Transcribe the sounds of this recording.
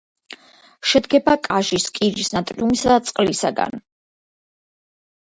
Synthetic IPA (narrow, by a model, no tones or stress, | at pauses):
ʃɛd̪ɡɛbakʼaʒiskʼiɾisnat̪ʼɾiumisad̪at̪sʼqʼlisaɡa̰n